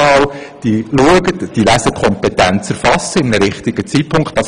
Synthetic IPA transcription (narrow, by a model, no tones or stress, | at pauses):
ɑːw | d̥iluəɡətd̥iːlæsəkʰɔmpɛt̪ænt͡sɛɾfɑsəɪmnəɾɪχtɪɡ̥ət͡sit̚pʰʊŋktd̥ɑs